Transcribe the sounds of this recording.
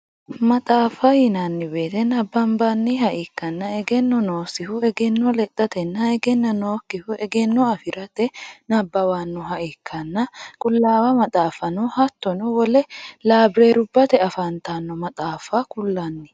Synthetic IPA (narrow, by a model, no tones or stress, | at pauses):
mɐt̪ʼaːfɐjɪnɐnːɪbe̞ːt̪ɛnɐbːɐmbanːɪhɐʔɪkːɐnːɐɛɡɛnːɔnoːsɪhʊɛɡɛnːɔlɛt̪ʼːɐt̪ɛnːɐɛɡɛnːɐnoːkːɪhʊʔɛɡɛnːɔɐfɪɾʔɐt̪ɛnɐbːɐwanːʊɦɐʔɪkʰːɐnːɐkʼʊlːaːwɐmɐt̪ʼaːfɐnɔhɐt̪ːɔnɔwɔlɛlaːbɾeːɾʊbːɐt̪ɛɐfɐnt̪anːɔmɐt̪ʼaːfɐkʊlːɐnːɪ